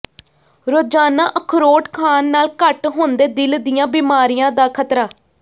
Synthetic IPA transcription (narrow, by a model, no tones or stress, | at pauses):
ɾoːd͡ʒaːnãːʔəkʰɾoːʈkʰaːnːaːlkəʈɦoːnd̪eːd̪ɪld̪ɪjãːbiːmaːɾijãːd̪aːkʰət̪ɾaː